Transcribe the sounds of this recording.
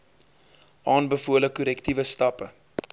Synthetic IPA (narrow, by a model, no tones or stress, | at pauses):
ʔɑːnbəfuələkuɾɛktivəstɐpə